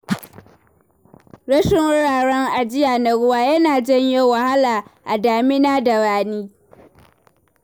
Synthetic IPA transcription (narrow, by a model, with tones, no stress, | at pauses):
ɾɐ˦ʃɪ˦ŋwʊ˦ɽaː˨ɽɔ˦ŋʔa˨d͡ʒɪ˦jaː˨nɐ˨ɽʊ˦waː˦jɐ˦naː˨d͡ʒɛ˦ɲjo˦wa˨ha˦laː˨ʔa˨daː˨mɪ˦naː˦da˨ɾaː˨niː˦